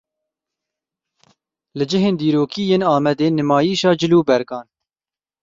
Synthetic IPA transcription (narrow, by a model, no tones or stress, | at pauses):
lɨd͡ʒɪɦeːnd̪iːɾoːkiːjeːnɑːmɛd̪eːnɨmɑːjiːʃɑːd͡ʒɪluːbɛɾɡɑːn